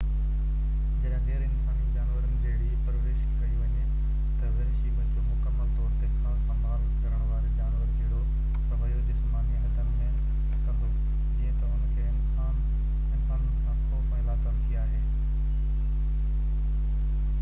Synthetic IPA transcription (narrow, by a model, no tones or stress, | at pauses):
d͡ʑɐɗ̃ɡeːɾɪnsaːnid͡ʑaːnʋəɾənɪ̆d͡ʑeːɦɪɽipɾʋeːʃkeiʋɐɲe | t̪ɐʋɪɾɪʃibɐd͡ʑomʊkəmːəlt̪ɔːɾt̪ekʰãːsɐmʱaːlkɐɾəɽ̃ʋaːɾed͡ʑaːnʋəɾkɪɽo | kɐʋəijod͡ʑɪsmaːniənt̪ɐnmə̃ | kɐməl | iɦet̪ɐʊnə̃kʰeɪnsaːn | ɪ̃nsaːnkãːtopɐɦɪlakɐmt̪ʰijaːɦeː